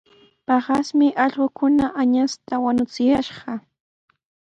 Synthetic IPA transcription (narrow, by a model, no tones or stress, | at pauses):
pɑɢɑsmɪʔɑʎɢokʊnaʔaɲast̪awanʊt͡sɪjaʃɢɑ